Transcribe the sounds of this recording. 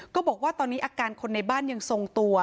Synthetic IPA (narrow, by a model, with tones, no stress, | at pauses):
kɔː˥˩bɔː˨˩k̚waː˥˩t̪ɔː˧nːiː˦˥ʔaː˧kaː˧nkʰo˧nːa˧jbaː˥˩nja˧ŋso˧ŋt̪u˧ɐ